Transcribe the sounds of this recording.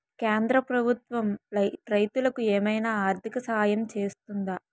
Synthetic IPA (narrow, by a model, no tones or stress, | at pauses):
keːnd̪ɾɐpɾɐbʱut̪ʋɐmɾɐɾɐjt̪ulɐkueːmɐjnaːaːɾt̪ʰikɐsɐɦaːjɐmt͡ʃe̞ːst̪und̪a